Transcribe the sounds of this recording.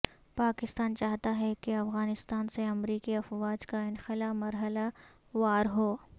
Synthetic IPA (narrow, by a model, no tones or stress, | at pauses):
paːkɪst̪aːnt͡ʃaːɦt̪aɦɛkeɐfɣaːnɪst̪aːnseɐmɾiːkiɐfʋaːd͡ʒkaɪnxɪlaːmɐɾɦəla | ʋaːɾɦoː